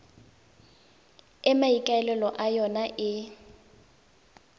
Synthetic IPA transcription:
ɛmaikʼaɛlɛlɔʔajɔnaʔɪ

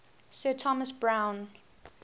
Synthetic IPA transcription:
sɜtʰɔməsbɹãʊ̃n

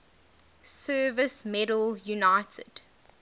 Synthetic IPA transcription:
sɜːvəsmɛɾəljunaɪtʰə̰d̥

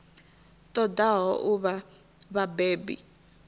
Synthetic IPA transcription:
tʼɔdaɦɔʔuβa | βabeːbḭ

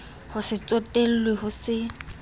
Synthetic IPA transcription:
hʊsɪt͡sʼotʼel̩lwehʊsɪ

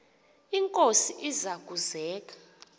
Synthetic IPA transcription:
iŋkʼosiʔizak̬ʼuzɛːk̬ʼḁ

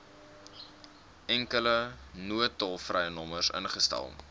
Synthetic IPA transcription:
ʔɛŋkələnuətɔlˠfrɛjənɔmərsə̰nχəstɛ̰lˠ

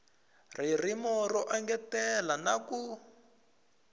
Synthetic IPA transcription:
r̤irimɔɾɔʔaŋɡɛtɛlanaku

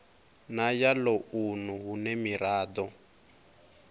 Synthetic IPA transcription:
najalounuɦunɛmiɾaːd̪ɔ

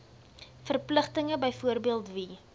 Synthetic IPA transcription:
fərpləχtəŋəbəjfuərbiəlˠtvi

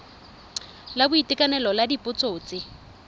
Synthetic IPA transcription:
labʊitʼɪkʼanɛlɔladipʼʊt͡sʼoːt͡sʼɪ

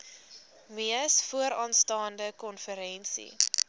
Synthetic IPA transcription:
miəsfuəɾɑːnstɑːndəkɔnfəɾɛnsḭ

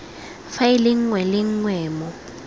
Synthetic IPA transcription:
faɪlɪŋ̩ŋwɛlɪŋ̩ŋwɛːmɔ

